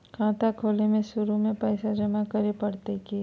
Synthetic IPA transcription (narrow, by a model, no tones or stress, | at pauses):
kʰãːt̪akʰoːlemẽʃʊɾumẽpɛːsad͡ʒɐmãkɐɾepɐɽt̪eke